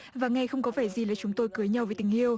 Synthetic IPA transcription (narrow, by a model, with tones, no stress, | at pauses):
vaː˨˩ŋa˧˩jxə˧wŋ͡mkɔ˨˦vaː˧˩jzi˨˩laː˨˩t͡ɕʊ˨˦ŋ͡mt̪o˧jkɨ˨˦əjɲa˧wveː˨˩t̪i˨˧˩ŋ̟ʔi˧əw